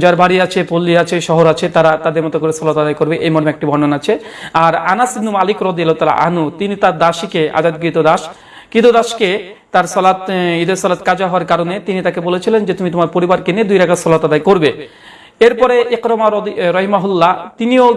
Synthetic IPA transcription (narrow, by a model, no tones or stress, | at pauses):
d͡ʑaɾbaɾiat͡ɕʰepolːiat͡ɕʰeʃɔɦoɾat͡ɕʰet̪aɾat̪ad̪eɾmɔt̪okoɾesɔlot̪ad̪ajkoɾbeʔejmɔɾmeɛk̚ʈibʱɔɳɖonat͡ɕʰeaɾanasibnumalikɾɔd̪ielot̪ala̰ʔa̰nut̪init̪aɾd̪aʃikea̰d͡ʑad̪ɡɾit̪od̪aʃ | kit̪od̪aʃket̪aɾsɔlat̪id̪eɾsɔlat̪̚kad͡ʑaɦɔoaɾkaɾonet̪init̪akebolet͡ɕʰilend͡ʑet̪umit̪omaɾpoɾibaɾkenied̪ujɾaɡasɔlat̪ad̪ajkoɾbe | eɾpɔɾeʔeqɾomaɾɾɔɦimaɦulːat̪inio